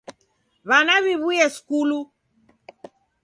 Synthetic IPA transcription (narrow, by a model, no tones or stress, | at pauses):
βanaβiβujɛskulu